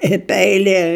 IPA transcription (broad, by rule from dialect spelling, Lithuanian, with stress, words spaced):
ɪ ˈpʲɛɪlʲiɛ